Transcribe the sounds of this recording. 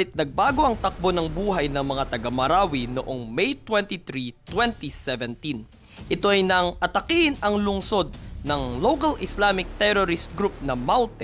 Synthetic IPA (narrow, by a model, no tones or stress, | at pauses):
ɪt̪̚nɐɡ̚baːɡo̞ʔɐŋt̪ɐk̚bo̞nɐŋbuːɦɐjnɐŋmɐŋat̪ɐɡɐmɐɾaːwino̰ʔo̞ŋmɛjt̪wɛnt̪iθɾit̪wɛnt̪isɛvɛnt̪in | ʔɪt̪o̞ʔɐjnɐŋʔɐt̪ɐkiɪnɐŋlʊŋso̞d̪̚nɐŋlokɐlʔɪslamɪk̚t̪ɛɾoɾɪst̪̚ɡɾup̚nɐmawt̪ɛ